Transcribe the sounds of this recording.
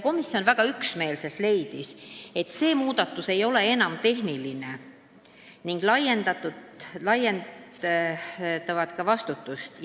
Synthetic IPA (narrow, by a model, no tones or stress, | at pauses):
ko̞misjo̞nvæɡ̥ɑyksme̞ːlse̞lt̪le̞jd̪̥ise̞t̪ːˑse̞ːmuːd̪̥ɑt̪ːˑuse̞jo̞le̞e̞nɑmt̪e̞ɦniline̞ | niŋɡ̥lɑjend̪ɑt̪ːulɑjen | t̪ːˑɑvɑt̪kɑvɑst̪ut̪ːˑust̪